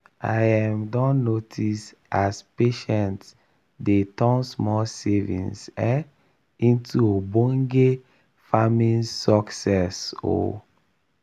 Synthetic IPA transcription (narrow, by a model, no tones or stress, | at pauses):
a̰jãmdɔ̃nːotʰis | aspeʃɛ̃nt | detɔ̃nsmɔlsevḭ̃nsɛ | ĩntʰuobɔ̃ŋɡe | famĩnsɔksɛso̰